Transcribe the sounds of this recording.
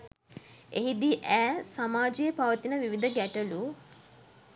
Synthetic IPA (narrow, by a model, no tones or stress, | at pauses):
eɦid̪iʔæːsamaːd͡ʒijəpaʋət̪inəʋiʋid̪əɡæʈəlu